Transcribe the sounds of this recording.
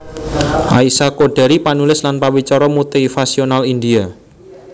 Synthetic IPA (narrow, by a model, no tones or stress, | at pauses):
ʔaisakoɖ̥ɛ̤ɾipanulɪslanpawit͡ʃɔɾɔmut̪ifasionalind̪ia